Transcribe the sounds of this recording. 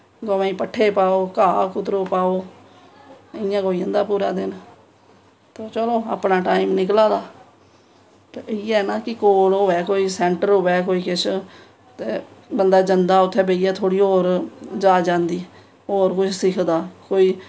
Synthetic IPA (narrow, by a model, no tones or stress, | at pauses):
ɡoʋãːĩːpəʈʰːeːpaːoːkaːkʊt̪ɾoːpaːoː | ɪjãːɡoːiãːnd̪aːpuːɾaːd̪ɪn | t̪oːt͡ʃəloːa̰ːpnaːʈaːimnɪk̬laːd̪aː | t̪eiːɛːnaːkɪkoːlɦoːʋɛːkoːiːsɛːɳʈəɾɦoːʋɛːkoːiːkɪt͡ʃʰ | t̪eːbənd̪aːd͡ʒənd̪aːʊt̪ʰːeːbeːijaːt̪ʰoːɽiːɦoːɾd͡ʒaːd͡ʒãːnd̪iː | oːɾkʊt͡ʃʰsɪkʰd̪aːkoːiː